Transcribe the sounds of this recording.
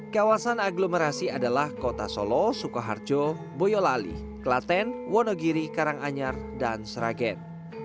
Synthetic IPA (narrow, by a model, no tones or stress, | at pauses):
kawasanaɡlomeɾasiadalahkot̪asɔ̰lɔsukaɦa̰rd͡ʒɔ | bɔjɔlalḭ | kəlat̪ɛnwɔnɔɡiɾikaɾaŋaɲardansɾa̰ɡɛn